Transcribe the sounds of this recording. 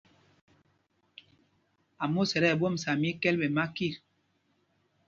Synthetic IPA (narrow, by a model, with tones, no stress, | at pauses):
a˨mo˦˨sɛ˨ɾɛ˦˨bo˦m̩˨sa˨mi˦kɛ˦lbe˨ma˦ki˦˨ɾ